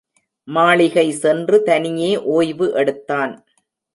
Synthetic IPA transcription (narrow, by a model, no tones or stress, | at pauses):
maːɭɪɣɐɪsɛndrɯt̪ɐnɪjeːʔoːjʋɯʔɛɽɯt̪ːaːn